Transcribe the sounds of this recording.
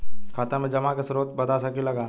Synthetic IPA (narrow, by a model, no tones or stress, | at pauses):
kʰaːt̪ãmẽd͡ʒɐmakesʊɾoːt̪bɐt̪asəkilɐɡaː